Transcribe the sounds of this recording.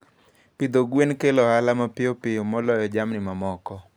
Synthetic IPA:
pid̪oɡwenkelɔɦalamapɪjopɪjɔmɔlɔjɔd͡ʒamnɪmamɔkɔ

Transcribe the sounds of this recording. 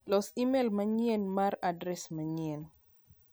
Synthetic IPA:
lɔsimelmaɲɛnmaɾadɾɛsmaɲiɛn

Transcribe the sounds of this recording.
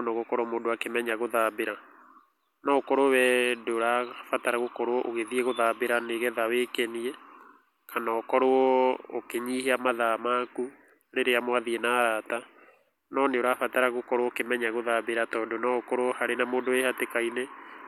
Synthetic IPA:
nɔɣokɔɾɔmoːndoakemɛɲaɣoðabeɾa | nɔkɔɾowɛdoɾafataɾaɣokɔɾoɔʔoɣeðiɛɣoðabeɾaneɣɛðawekɛniɛ | kʰanaɔkɔɾoɔokeɲiheamaðamaku | ɾeɾeamwaðiɛnaɾata | nɔneoɾafataɾaɣokɔɾwɔkemɛɲaɣoðabeɾatɔːndonɔkɔɾoɔhaɾenamoːndoehatekaine

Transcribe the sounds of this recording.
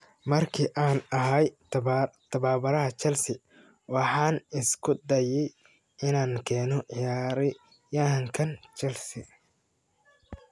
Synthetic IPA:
mɐrkʰiʔaːnɐɦɐj | t̪ʰɐβaːbɐɾɐɦɐt͡ʃɐlsɪ | wɑħɑːnɪskʰʊd̪ɐjɛj | ɪnaːŋkʰɛːnɔʕɪjaːɾɪ | jɐɦɐŋkʰɐnt͡ʃɐlsɪ

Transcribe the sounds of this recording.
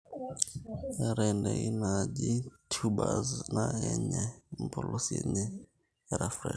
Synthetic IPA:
ɛɾɛndɛinad͡ʒitʰubaznaɛɲɛm̩pʰɔlʔosiɛɲɛ | ɛɾafrɛ

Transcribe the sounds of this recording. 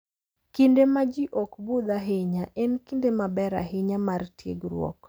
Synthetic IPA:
kɪndemad͡ʒiʔɔkbud̪aɦɪɲaʔɛnkindemabɛɾa̰ɦɪɲamartjḛɡɾwɔ̰k

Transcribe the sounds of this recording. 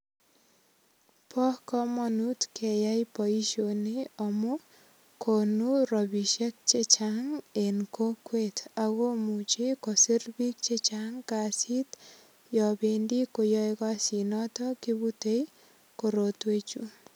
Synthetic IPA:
pʰɔhkɔmɔnutkejajpɔiʃoneɔmu | kʰonuɾɔbiʃek̚t͡ʃet͡ʃaŋenkokwet̪aɣomut͡ʃekɔsiɾbik̚t͡ʃet͡ʃaŋkasit̪ | jɔbendikojɔjkɔasinɔtɔkibutej | koɾot̪wet͡ʃu

